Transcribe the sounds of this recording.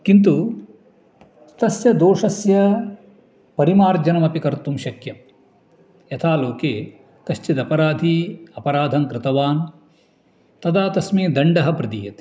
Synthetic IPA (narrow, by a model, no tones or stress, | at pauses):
kint̪u | st̪ɐsjɐd̪oːʂɐsjɐ | pɐɾimaːɾd͡ʒɐnɐmɐpikɐɾt̪umʃɐkjɐm | jɐt̪ʰaːloːkeː | k̪ɐʃt͡ʃid̪ɐpɐɾaːd̪ʱiɐpɐɾaːd̪ʱɐŋkɾɪt̪ɐʋaːn | t̪ɐd̪aːt̪ɐsmiːd̪ɐɳɖɐɦɐpɾɐd̪iːjɐt̪i̥